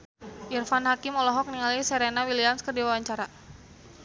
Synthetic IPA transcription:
ʔirfanɦakimɔlɔɦɔk̚niŋalisɛɾenawiliamskərdiwawaɲt͡ʃaɾa

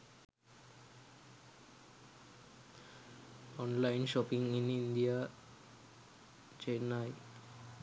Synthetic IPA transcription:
ɔnlajnʃɔpiŋinind̪ija | t͡ʃenaj

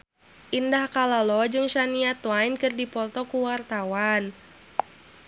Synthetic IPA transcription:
ʔindahkalalɔd͡ʒɨŋʃaniat̪wajnkɨrdipɔt̪ɔkuwart̪awan

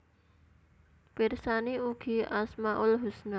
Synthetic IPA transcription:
pirsaniuɡ̥i̤ʔasmaʔʊlɦusna

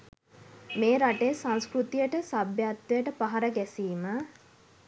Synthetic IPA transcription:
meːɾaʈesãnskɾut̪ijəʈəsabjat̪wejəʈəpaɦaɾəɡɛsiːmə

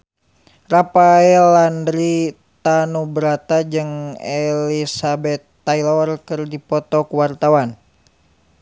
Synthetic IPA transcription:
rapaɛlandɾi | t̪anubəɾat̪ad͡ʒɨŋelisabɛt̪ːailɔrkɨrdipɔt̪ɔkwart̪awan

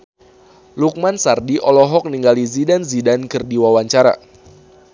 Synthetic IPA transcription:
luk̚mansardiʔɔlɔɦɔk̚niŋɡalizidanzidankɨrdiwawaɲt͡ʃaɾa̰

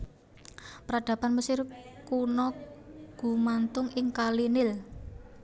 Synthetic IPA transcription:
pəɾaɖ̥a̤panməsɪrkunɔɡ̥ṳmant̪ʊŋɪŋkalinɪl

